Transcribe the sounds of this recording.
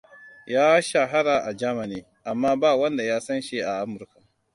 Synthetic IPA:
jaː˦ʃa˨ɦa˦ɽa˨ʔa˨d͡ʒaː˦ma˨niː˦ | ʔa˨mːaː˦baː˦˨wɐ˦nda˨jaː˦sɐ˦nʃe˦ʔa˨ʔa˦mʊ˨ɾka˨

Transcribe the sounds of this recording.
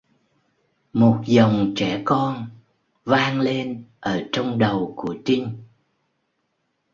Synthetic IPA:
mo˨˩t̚zə˨˩wŋ͡mt͡ɕɛ˧˩kɔ˧n | vaː˧ŋle˧nʔəː˧˩t͡ɕɔ˧wŋ͡mɗə˨˩wku˧˩ət͡ɕi˧ŋ̟

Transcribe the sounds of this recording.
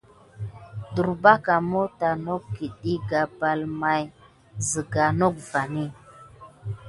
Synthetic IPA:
du˨ɾba˦ka˨mo˦ta˨no˦kkːi˨ɗi˦ɡa˨ba˨lma˨j | zi˨ɡa˨no˦k̚va˨ni˦

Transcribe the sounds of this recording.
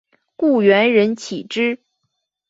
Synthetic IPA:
ku˥˩ɥɛ˧˥nɻə˧˥nt͡ɕʰi˨˩ʈ͡ʂɻ̩˥

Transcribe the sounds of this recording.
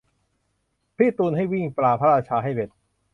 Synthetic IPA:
pʰiː˥˩t̪uː˧nhɦa˥˩jwi˥˩ŋplaː˧pʰa˦˥ɾaː˧t͡ɕʰaː˧ɦa˥˩jbe˨˩t̪̚

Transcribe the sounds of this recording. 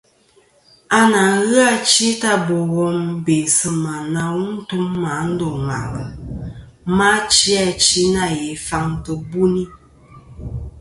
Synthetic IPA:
a˦na˨ŋ˦ɣɨ˦a˦t͡ʃi˦ta˦bɔ˨ɣɔ˨m̩˦be˨sə˨ma˨na˨˦wu˦n̩˦tu˦mːa˨˦n̩˦do˨ŋa̰˨ŋə˨ | ma˦t͡ʃi˦a˦t͡ʃi˦na˦˨je˨fa˦ŋtə˨bu˦ni˦

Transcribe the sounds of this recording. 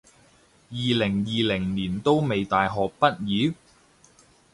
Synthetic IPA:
jiː˨lɪ˨˩ŋjiː˨lɪ˨˩ŋniː˨˩nt̪o˥wme˨jt̪aː˨jɦɔː˨k̚pɐ˥t̚jiː˨˥

